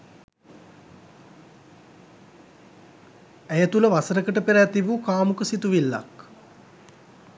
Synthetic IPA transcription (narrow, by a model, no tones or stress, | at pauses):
æjət̪uləʋasəɾəkəʈəpeɾæːt̪iʋukaːmukəsit̪uʋilːa̰k